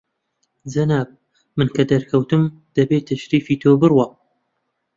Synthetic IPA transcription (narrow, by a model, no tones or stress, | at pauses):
d͡zɐnaːb̚ | mɨnkʰɐd̪ɐɾkʰɐwt̪ɨmd̪̥ɐbeːt̪ʰɐʃɾiːfiːt̪ʰobɨɾwɐ